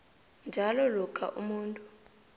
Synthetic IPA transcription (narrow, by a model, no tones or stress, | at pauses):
nd͡ʒʱalɔlukʰʼa̰ʔṵmuːntʼu